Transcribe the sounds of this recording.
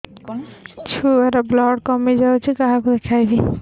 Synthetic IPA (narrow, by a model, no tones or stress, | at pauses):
t͡ʃʰuɛɾablɔɽkɔmed͡ʒat͡ʃʰikaɦakud̪ekʰajbi